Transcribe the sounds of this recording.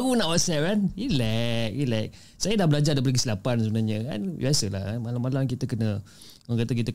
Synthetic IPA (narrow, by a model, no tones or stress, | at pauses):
unaʔwasɛʔɾanilɛkilɛk̚ | sajədabəlad͡ʒardap̬alaɡislapansəbənaɲəa̰nbḭasəla̰hmalamːalamkit̪əkənə̃ | ɔkat̪ək̬it̪ə